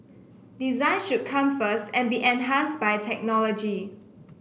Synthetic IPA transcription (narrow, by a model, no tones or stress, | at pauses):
dizãɪ̃nʃud̚kʰãmfəstɛ̃nbiʔɛ̃nɦãnsbajtʰɛk̚nɔlɔd͡ʒi